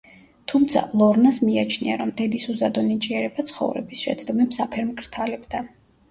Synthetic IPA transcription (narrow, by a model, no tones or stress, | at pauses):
t̪ʰumt̪sʰa̰lˠɔɾnasmiat͡ʃʰniaɾɔmd̪ɛd̪isuzad̪ɔnit͡ʃʼiɛɾɛbat̪sʰχɔ̰vɾɛ̰bisʃɛ̰t̪sʰʼd̪ɔmɛpsapʰɛɾmkʰʼɾt̪ʰalɛbd̪a